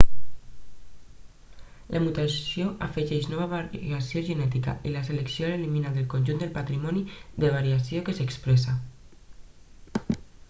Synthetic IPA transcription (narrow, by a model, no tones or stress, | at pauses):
lʔamut̪asjoʔafəʒɛʃnɔβaβaɾasioʒənɛt̪ika̰ʔilaseleksijoleliminad̪elkonʲʒund̪elpat̪ɾimɔniðeβaɾiasiokesekspɾesa